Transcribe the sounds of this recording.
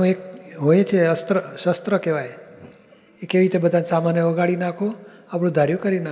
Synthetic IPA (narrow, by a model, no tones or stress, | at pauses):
ũek̚ɦojet͡ʃʰeəst̪ɾəʃəst̪ɾəkeʋaj | ekeʋit̪ebəd̪ʱansamanjəʋəɡaɭinakʰoapɽ̃ũd̪ʱaɾjukəɾina